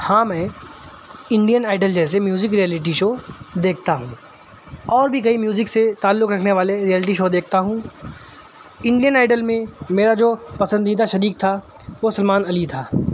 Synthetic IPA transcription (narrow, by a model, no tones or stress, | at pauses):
hãːmɛ̃ː | ɪ̃ɳɖijənaːɪɖəld͡ʒɛːs̬emjuːzɪkɾijɛːlɪʈ̬iʃoːd̪eːk̚ʰt̪aɦũː | ɔːɾbʱik̬ɐimjuːzɪkset̪aːlːʊkɾɐkʰneʋaːleɾijɛːlɪʈ̬iʃoːd̪eːkʰt̪aɦũː | ɪ̃ɳɖijənaːɪɖəlmẽmeːɾad͡ʒoːpɐsə̃nd̪iːd̪aʃɐɾiːk̚t̪ʰa | ʋosɐlmaːnɐlit̪ʰaː